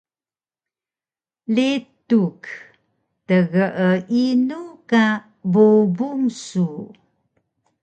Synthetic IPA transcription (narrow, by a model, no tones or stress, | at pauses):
letuk | təɣəʔəʔinuka | bobuŋsu